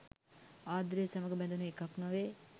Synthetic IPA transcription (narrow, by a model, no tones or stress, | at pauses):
aːd̪ɾeːsamɐɡəbɛnd̪unuekaknaʋe